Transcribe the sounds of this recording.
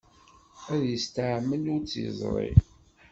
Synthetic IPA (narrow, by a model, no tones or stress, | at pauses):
æðjəst̪aʕmːənʊɾt͡sːḭzˤɾˤḭ